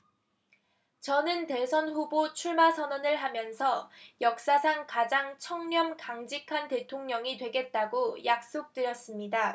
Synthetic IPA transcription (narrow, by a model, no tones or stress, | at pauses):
t͡ɕʌnɯnte̞sʰʌnɸubot͡ɕʰuɭmasʰʌnʌnɯɭɦamjʌnsʰʌjʌk̚s͈asʰaŋkad͡ʑaŋt͡ɕʰʌŋɲʌmkaŋd͡ʑikʰante̞tʰoŋɲʌŋitwe̞ɡe̞t̚t͈aɡojak̚s͈ok̚t͈ɯɾjʌs͈ɯmɲida